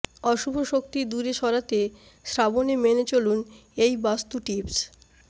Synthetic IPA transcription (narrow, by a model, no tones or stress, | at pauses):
ɔʃubʱoʃok̚t̪id̪uɾeʃɔɾat̪e | ʃɾabonemenet͡ɕolunejbast̪uʈips